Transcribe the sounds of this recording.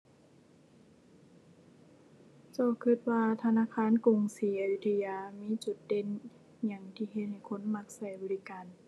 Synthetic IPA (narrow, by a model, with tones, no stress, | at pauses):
t͡ɕa˧˩kʰɯ˧˩t̪̚waː˧t̪ʰa˧naː˧˥˨kʰaː˧˥˨nku˨˩ŋsiː˨˦a˧˨ju˧˩t̪ʰa˧jaː˧miː˧˥˨t͡ɕu˨˩˦t̪̚de˧˥˨n | ɲa˧˩ŋt̪ʰiː˧˩ɦe˧t̪̚ha˨˩jkʰo˧˥˨nma˧˥k̚sa˧˩jbɔː˨˧˦li˦˧kaː˨n